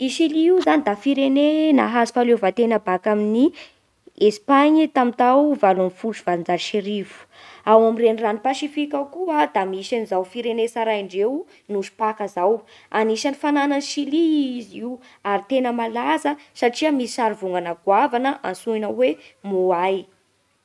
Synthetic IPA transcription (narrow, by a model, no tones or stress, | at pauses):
iʃiliiuzanid̪afiɾenena̰ɦazi̥falevat̪enəbakamini | espaɲit̪amit̪awvalunfuʈ͡ʂuvalind͡zaʃeɾivu̥ | awamirenranipaʃifikʲawkuad̪amisanizawfiɾenesaɾaiɳɖ͡ʐew | nuʃu̥pakazawaniʃanifanananʃiliiziw | aɾit̪enəmalazəsaʈ͡ʂiəmisaɾivuŋɡanaɡwavanəʔa̰nsuinawemuaj